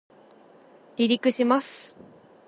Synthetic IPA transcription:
ɾʲiɾʲikɯ̟ɕimasɨ̥

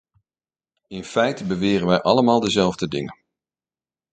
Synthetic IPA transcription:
ɪnfɛjtəbəʋɪːrənʋɛjʔɑləmaːlˠdəzɛlˠvdədɪŋə

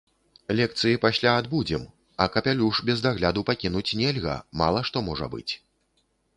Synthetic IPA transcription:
lʲɛk̚t̪sɨjipasʲlʲaːd̪bud͡zʲɛm | ɐkɐpʲalʲuʂbʲɛzd̪aɣlʲad̪upakʲinut͡sʲnʲɛlʲɣɐ̰ma̰lˠɐʂt̪ɔmɔʐɐ̰bɨ̰t͡sʲ

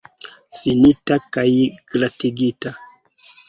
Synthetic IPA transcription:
finitakaiɡ̥latiɡita

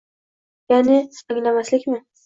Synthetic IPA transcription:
janeaŋlamaslɪkme

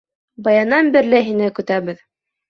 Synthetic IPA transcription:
bɑjɑnɑnbɘ̆ɾlɘɦinɘkɵ̆t̪æβɘð

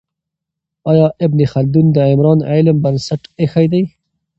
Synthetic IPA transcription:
ɑːjɑʔɪbnixald̪und̪əɪmɾɑːnelmbɐnsaʈexajd̪aj

